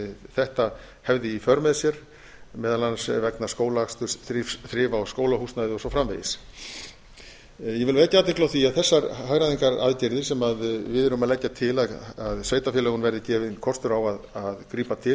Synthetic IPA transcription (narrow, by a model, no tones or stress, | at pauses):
ɪθɛht̪a | hɛvðɪifœɾmɛðsjɛɾ̥ | mɛːðalansvɛknḁskoːwlaakst̪ʏɾ̥θɾɪfsθɾɪːvawskoːwlahust̪naðɪɔsɔfɾamvḛjɪs | jɛvɪlveːjcːaat̪ɪhklawθiaðθɛsːaɾɦaɣɾaðiŋkaɾa̰ðcɪɾðɪsɛmaðvɪðʏɾʏʏmaðlɛcːat̪ʰɪlaðaðsveːjt̪afjɛlœɣʏnvɛɾðɪcɛːvɪnkʰɔrst̪ʏɾawaðaðkɾiːpat̪ʰɪ